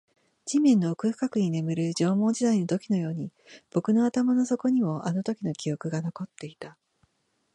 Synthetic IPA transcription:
d͡ʑimẽ̞nːo̞ːkɯ̟ɸɯ̟̥kakɯ̟ɲ̟ine̞mɯ̟ɾɯ̟ʑo̞ːmo̞ːɲd͡ʑid̪ainot̪o̞kʲino̞jo̞ːɲ̟ib̥o̞kɯ̟no̞at̪amano̞so̞ko̞ɲ̟imo̞ʔano̞t̪o̞kʲino̞kʲijo̞kɯ̟ɡano̞ko̞t̪ːe̞it̪a

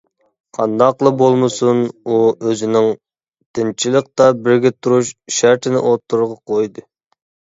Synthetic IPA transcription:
qʰɑnd̪ɑqlˠɨbolˠmɨsunuøzɪnɪŋ | t̪ʰɪnt͡ʃʰilˠəq̚t̪ɑbɪɾɡʲɛt̪ʰuɾuʃʃæɾt̪ʰɪnɪ̰ʔot̪ʰːuɾʊɾʁɑqʰojd̪ɨ

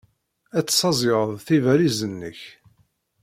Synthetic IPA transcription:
æt͡sːsɑzˤeʁəðˤθivæɾizənːəç

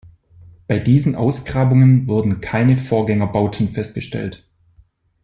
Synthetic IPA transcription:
b̥aɪdiːzn̩ʔa̰ʊsɡ̥ʁaːbʊŋənvʊɐdn̩kʰaɪnəfoːɐɡɛŋɐbaʊtʰn̩fɛst̚ɡ̥əʃtʰɛ̰lt

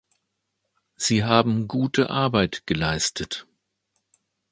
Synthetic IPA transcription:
z̥iːɦaːbm̩ɡuːtʰəʔaɐbaɪtɡ̥əlaɪstʰət

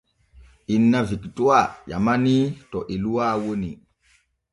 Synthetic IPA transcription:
ʔinːaviktuaja̰manitɔʔiluwawoni

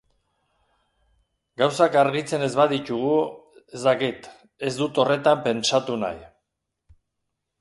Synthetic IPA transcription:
ɡawsakaɾɣit͡se̞ne̞zβaðit͡ʃ̪uɣ̞u | e̞zd̪akit̪ | e̞zd̪ut̪o̞re̞t̪ampe̞nsat̪una̰j

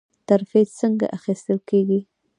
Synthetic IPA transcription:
t̪aɾfet͡səŋɡa̰ʔaxist̪əlkeɡi

